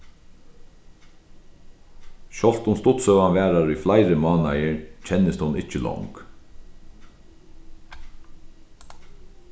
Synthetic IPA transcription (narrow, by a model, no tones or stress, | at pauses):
ʃɔl̥t̪ʊnst̪ʊt̪sœwanʋæːɾaɾʏflaɪɾəmɑːna̰jəɹt͡ʃʰɛnəst̪ʊnɪcəlɔ̰wŋk